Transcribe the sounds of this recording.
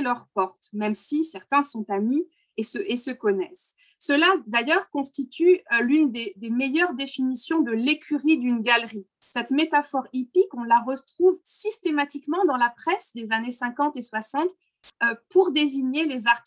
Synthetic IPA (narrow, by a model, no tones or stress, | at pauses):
lœʁpɔʁt̪mɛmsisɛʁt̪ɛ̃sɔ̃t̪ami | səʔesəkɔnɛsː | əlad̪ajœʁkɔ̃st̪it̪ylynd̪ed̪emejœʁd̪efinisjɔ̃d̪əlekʲyʁid̪ynɡalʁi | sɛt̪met̪afɔʁipikɔ̃laʁət̪χuvsist̪emat̪ikmɑ̃d̪ɑ̃lapχɛsd̪ezanesɛ̃kɑ̃t̪eswasɑ̃t̪ | puʁd̪eziɲelezaʁt̪